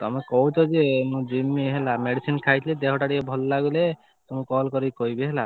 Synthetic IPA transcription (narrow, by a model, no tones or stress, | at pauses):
t̪ɔ̰mɔ̃kɔwt̪ɔzemũd͡ʒimːiɦɛlameɽisinkʰajt̪ʰilɛd̪ɛɦɔʈaɽikɛbʱɔlːaɡulɛ | t̪ɔmɔ̃kɔlkɔɾikoibɛɦɛla